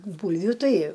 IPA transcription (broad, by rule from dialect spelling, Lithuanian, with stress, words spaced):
ˈbuːlʲʋʲʊ ˈtɐɪ